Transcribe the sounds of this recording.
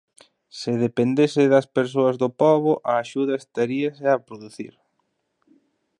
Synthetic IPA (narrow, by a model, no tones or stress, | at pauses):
sɪðepend̪esɪðɐspeɾs̬oɐzðʊpɔβʊʔɐːʃuðɐest̪aɾiɐsɪapɾoðuθḭɾ